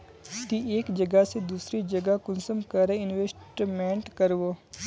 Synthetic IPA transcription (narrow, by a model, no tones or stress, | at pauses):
t̪ieːkd͡ʒɐɡəsed̪uːsɾid͡ʒɐɡakʊnsəmkɐɾeɪnʋeːsʈmẽːɳʈkɐɾʋoː